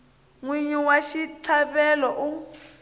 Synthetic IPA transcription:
ŋwiɲuwaʃitʰaβɛlɔʔu

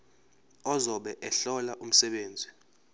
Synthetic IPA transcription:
ɔzɔɓɛʔɛɬɔlaʔum̩sɛɓeːnd͡zʱi

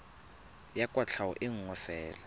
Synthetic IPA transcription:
jakʼwat͡ɬʰawɔ̰ʔɪŋ̩ŋɔfɛːla

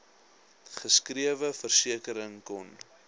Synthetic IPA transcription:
χəskriəvəfərsiəkəɾəŋkɔn

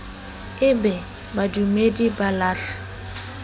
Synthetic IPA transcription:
ɪbɛ | badumedibalaːɬʊ̥

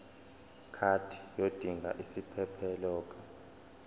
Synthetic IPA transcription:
kʰatʰi̥jod̥ʱiŋɡʱa̰ʔisipʰɛpʰɛlɔːk̬ʼḁ

